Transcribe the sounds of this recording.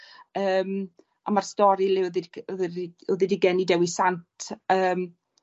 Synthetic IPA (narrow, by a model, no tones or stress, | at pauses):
əːm | amarstɔɾɨlɪðɪdðuðɪdiɡɛnidɛwisantʰəːm